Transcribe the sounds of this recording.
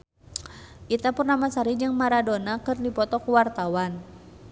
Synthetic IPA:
ʔit̪apurnamasaɾid͡ʒɨŋmaɾadonakɨrdipɔt̪ɔkuwart̪awan

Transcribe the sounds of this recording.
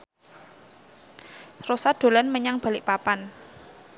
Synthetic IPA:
rosad̪̥o̤lanməɲaŋb̥a̤lɪʔpapan

